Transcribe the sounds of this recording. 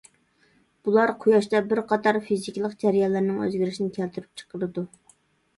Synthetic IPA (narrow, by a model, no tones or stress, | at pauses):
b̥ulˠɑɾqʰʊjɑʃt̪ɛbɪɾqʰɑt̪ɑɾfizikʲlˠəqd͡ʒæɾjɑlˠːæɾnɪŋø̰zɡʲyɾɪʃinɪkʲʰælt̪ʰyɾyp̚t͡ʃʰə̥qʰəɾɨd̪u